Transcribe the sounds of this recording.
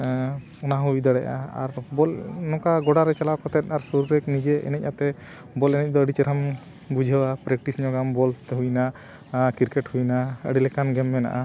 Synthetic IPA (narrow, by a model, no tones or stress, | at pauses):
ɔnaɦuid̪aɽɛʔa̰a̰ɾbɔlnɔkaɡɔɽaɾɛt͡ʃalawkɔt̪ɛt̪̚ʔaɾsuɾuɾɛknid͡ʒɛʔɛ̰nɛc̚ˀat̪ɛ | bɔlɛnɛc̚ˀd̪ɔəɖit͡ʃɛɾam | bud͡ʒʱəwapɾɛkʈisɲɔɡambɔlt̪ɦujna | kiɾkɛʈhujnaəɖilɛkanɡɛmːɛna̰ʔa